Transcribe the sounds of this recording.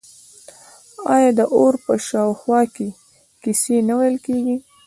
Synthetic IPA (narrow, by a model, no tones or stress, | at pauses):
ɑjɑd̪əʔoɾpəʃɑwxwɑke | kisenawajlkeɡi